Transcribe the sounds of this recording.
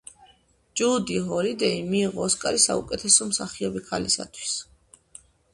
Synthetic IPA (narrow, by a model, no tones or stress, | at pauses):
d͡ʒud̪iɦɔɾid̪ɛimiːʁɔːskʼaɾisa̰ṵkʼɛt̪ʰɛsɔmsaχiɔbikʰalisa̰t̪ʰwi̥s